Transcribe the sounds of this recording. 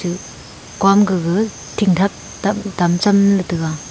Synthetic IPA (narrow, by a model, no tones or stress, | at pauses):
ɯ | kwamɡɯɡɯ | tʰiŋtʰak̚ | adamt͡samlɯtɯɡa